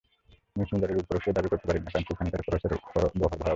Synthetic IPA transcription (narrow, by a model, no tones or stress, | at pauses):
miʃund̪aɾeɾup̪oɾokʃed̪abikoɾt̪epaɾinːakant̪ukʰanik̪aɾkɔɾaʃeɾɔbɔɦobʱa